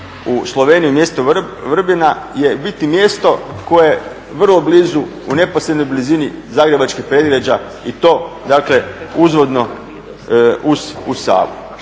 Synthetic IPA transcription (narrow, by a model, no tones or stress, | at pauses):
uslˠo̞ʋe̞ːnijumje̞st̪oʋr̩binaje̞bit̪imje̞ːst̪o̞ko̞eje | ʋr̩lˠo̞bliːzu | une̞posɾed̪nojblizinizaːɡɾe̞bat͡ʃkixpɾed̪ɾed͡ʑa | it̪o̞ːd̪akle̞uzʋo̞d̪no̞ | ususa̰ːʋṵ